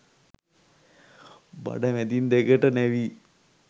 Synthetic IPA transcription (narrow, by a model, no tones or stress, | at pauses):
ba̰ɖaʋɛd̪ind̪ekəʈənɛʋi